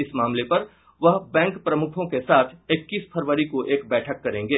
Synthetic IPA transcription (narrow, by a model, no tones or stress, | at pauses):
ɪsmaːmlepɐɾ | ʋɐɦbɛ̃ːŋkpɾɐmʊkʰõkesaːt̪ʰɪkːiːspʰɐɾʋəɾikoʔeːkbɛːʈʰəkːɐɾẽːŋɡeː